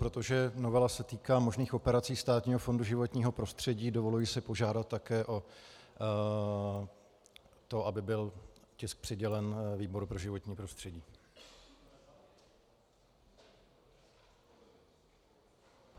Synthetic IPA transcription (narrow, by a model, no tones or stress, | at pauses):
pɾo̞t̪o̞ʒɛno̞vɛlasɛt̪iːkaːmo̞ʒniːxo̞pɛɾat͡siːst̪aːt̪ɲiːɦo̞fo̞nduʒɪvo̞t̪ɲiːɦo̞pɾo̞st̪r̝̥ɛɟiːdo̞vo̞lujɪsɪpo̞ʒaːdat̪ːakɛːʔo̞ | t̪o̞ʔabɪbɪlcɪsk̚pr̥ɪɟɛlɛnviːbo̞ɾupɾo̞ʒɪvo̞t̪ɲiːpɾo̞st̪r̥ɛɟiː